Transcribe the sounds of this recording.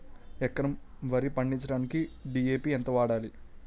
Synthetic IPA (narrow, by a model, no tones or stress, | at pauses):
ɛkːɐnɐm | ʋɐɾipɐɳɖint͡ʃɐɽaːnikiɖieːpiːɛnt̪ɐʋaːɽaːli